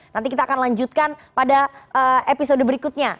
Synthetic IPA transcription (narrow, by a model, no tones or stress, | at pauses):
nant̪ikit̪aːkanlaɲd͡ʒut̪̚kanpadaəepisodəbəɾikʊt̪̚ɲa